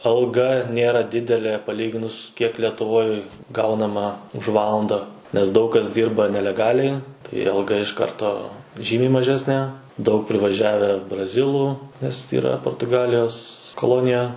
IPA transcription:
ɐlˠˈɡɐ ˈnʲeːrɐ ˈdʲɪdʲɛlʲeː pɐˈlʲiːɡʲɪnʊs kʲiɛk lʲɛtʊˈʋoːj ˈɡɐʊnɐmɐ ʊʃ ˈʋɑːlˠɐndɐ nʲɛs ˈdɐʊk kɐs ˈdʲiːrbɐ nʲɛlʲɛˈɡɑːlʲɛɪ tɐɪ ɐlˠˈɡɐ ɪʃ ˈkɐrtoː ˈʒʲiːmʲɛɪ mɐˈʒʲæːsʲnʲeː dɐʊk pʲrʲɪʋɐˈʒʲæːʋʲæː brɐˈzʲɪlˠuː nʲɛs iːˈrɐ poːrtʊˈɡɑːlʲɪjoːs koːˈlˠoːnʲɪjɛ

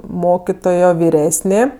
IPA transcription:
ˈmoːkʲɪtoːjoː ʋʲɪˈrʲæːsʲnʲeː

